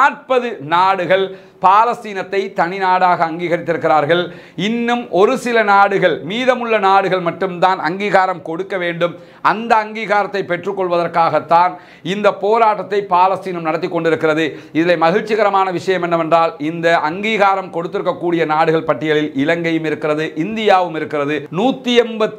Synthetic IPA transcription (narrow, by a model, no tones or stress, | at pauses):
aːʈ̚pɐðɯnaːɽɯɣɐɭ | paːlɐst̪iːnɐt̪ːɐɪt̪ɐnɪnaːɽaːɣɐːŋɡiːɣɐɾɪt̪ːɪɾɯkːɪɾaːɾɣɐɭ | ɪnːɯmʔɔɾɯsɪlɐnaːɽɯɣɐɭmiːðɐmɯɭːɐnaːɽɯɣɐɭmɐʈːɯmt̪aːnɐŋɡiːɣaːɾɐmkɔɽɯkːɐʋeːɳɖɯm | ɐnd̪ɐɐŋɡiːɣaːɾɐt̪ːɐɪpːɛʈrɯkːɔɭʋɐðɐrkaːɣɐt̪ːaːn | ɪnd̪ɐpoːɾaːʈːɐt̪ːɐɪpaːlɐst̪iːnɯmnɐɽɐt̪ːɪkːɔɳɖɪɾɯkːɪrɐðɯ | ɪðɪlɐɪmɐɣɪɻt͡ʃːɪɣɐɾɐmaːnɐʋɪʂɐjɐmɛnːɐʋɛndraːlɪnd̪ɐʔɐŋɡiːɣaːɾɐmkɔɽɯt̪ːɪɾɯkːɐkːuːɽɪjɐnaːɽɯɣɐɭpɐʈːɪjɐɭɪlɪlɐŋɡɐjɯmɪɾɯkːɪrɐðɯʔɪnd̪ɪjaːʋɯmɪɾɯkːɪrɐðɯnuːt̪ːiɛmbɐt̪ː